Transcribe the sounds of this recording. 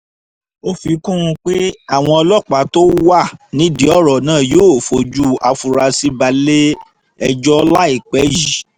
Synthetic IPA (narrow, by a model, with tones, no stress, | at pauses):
o˦fi˧kũ˦ũ˧k͡pe˦a˦˨w̃ɔ̃˧ɔ˧lɔ˦˨k͡pa˨˦to˦wa˦˨nĩ˨˦di˨˦ɔ˦˨ɾɔ˨nãː˦˨joː˦˨fo˧˦d͡ʒu˦a˧fu˧ɾa˧si˦ba˧le˦ | ɛ˧d͡ʒɔ˦la˦i˦˨k͡pɛ˨˦ji˨